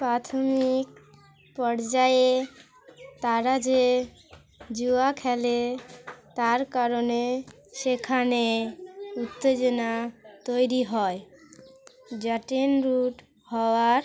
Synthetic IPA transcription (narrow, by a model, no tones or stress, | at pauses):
pɾat̪ʰomik̚ | pɔɾd͡ʑae | t̪aɾad͡ʑe | d͡ʑuakʰɛle | t̪aɾkaɾone | ʃekʰane | ut̪ːed͡ʑonat̪ojɾiɦɔe | d͡ʑaʈenɾuʈ | hɔoaɾ